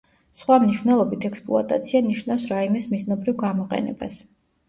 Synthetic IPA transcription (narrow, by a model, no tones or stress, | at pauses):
sχwamniʃwvnɛlˠɔbit̪ʰɛkspʼlˠṵa̰t̪ʼa̰t̪sʰianiʃnafsɾaimɛsmiznɔbɾivɡamɔqʼɛ̰nɛ̰ba̰s